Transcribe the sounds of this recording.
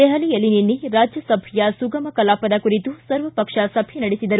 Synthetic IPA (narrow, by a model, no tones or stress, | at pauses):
ɛɦɐlijɐlːininːiɾaːd͡ʒjɐsɐbʱijɐsuɡɐmɐkɐlaːpɐd̪ɐkuɾit̪usɐɾʋɐpɐkʂɐsɐbʱjɐnɐɽisid̪ɐɾu